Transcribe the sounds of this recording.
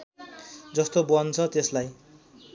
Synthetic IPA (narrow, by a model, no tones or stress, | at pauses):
d͡zʌst̪obʌnt͡sʰʌt̪eslaj